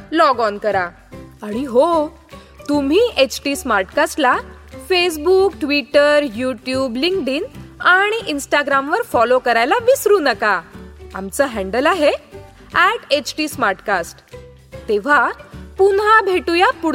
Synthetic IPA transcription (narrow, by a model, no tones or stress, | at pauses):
lɔɡɔnkəɾa | aɽ̃iɦo | t̪um̤iːʔet͡ɕʈiːsmaɾʈkasʈla | fes̬bukʈʋiʈəɾjuʈjuːbliŋkɖinaɽ̃iinsʈaɡɾamʋəɾfɔlokəɾajlaʋisɾuːnəkaamt͡səɦɛ̃ɳɖəlaɦe | æʈet͡ɕʈismaɾʈkasʈ | t̪eʋ̤apunɦabʱeʈujapuɽ